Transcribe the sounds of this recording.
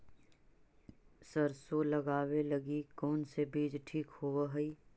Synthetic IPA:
sɐɾsolɐɡaːwelɐɡikɔːnsebiːd͡ʒʈʰiːkhoaɦɐiː

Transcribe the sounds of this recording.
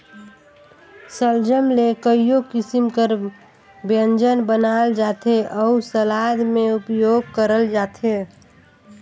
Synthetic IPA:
səld͡ʒəmlekəijokɪsimkəɾ | bjənd͡ʒənbənald͡ʒat̪ʰeʔəusəlad̪meupjoɡ̚kəɾəld͡ʒaːt̪ʰe

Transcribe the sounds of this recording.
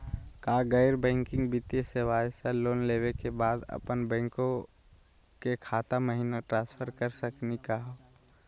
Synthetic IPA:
kaɡəɪɾbɛ̃ːŋkɪ̃ŋɡbit̪eseʋaːseloːnlewekebaːd̪ə̰pənbɛ̃ːŋkõ | kekʰaːt̪aməɦinoʈɾãːspʰəɾkəɾsəknikaɦoː

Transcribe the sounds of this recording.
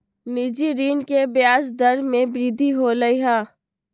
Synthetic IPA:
nid͡ʒiɾiːnkebjaːs̬d̪əɾmẽbɾɪd̪ʱiɦoləiɦãː

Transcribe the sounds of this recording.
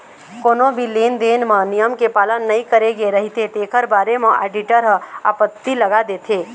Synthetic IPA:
koːnõbʱileːnd̪eːnmãnijəmkepaːlənːɐɦĩkəɾeɡeɾɐɦit̪et̪eːkʰəɾbaːɾemãʔḛːɖɪʈəɾɦə̃a̰ːpət̪ːilɐɡad̪eːt̪ʰeː

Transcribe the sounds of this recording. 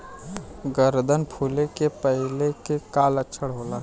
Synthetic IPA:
ɡəɾd̪ʱənpʰuːlekepəɦɪlekekaːlətːʃʰəɽɦoːla

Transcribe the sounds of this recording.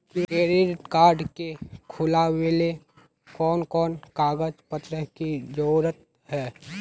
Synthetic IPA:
kieːɾeɾʈkaːɾɖkekʰʊlawele | kɔːnkɔːnkaːɡəd͡ʒpət̪ɾəɦkid͡ʒoːɾət̪̚ | hɛː

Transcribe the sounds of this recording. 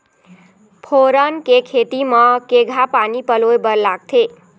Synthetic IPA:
pʰoɾənkekʰet̪imʌkeɡʱapanipəlojbəɾlaɡ̚t̪ʰe

